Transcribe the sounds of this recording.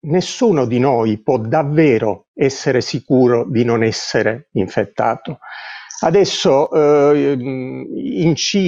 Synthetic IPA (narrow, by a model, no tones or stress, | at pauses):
nesːuːnod̪inojpwɔd̪avːɛːɾoɛsːeɾesikuːɾod̪inonɛsːeɾeiɱfet̪ːa̰ːt̪oad̪ɛsːo | int͡ʃiː